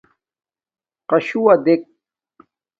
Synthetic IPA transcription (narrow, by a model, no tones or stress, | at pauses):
qɐɕuwɐd̪ek̚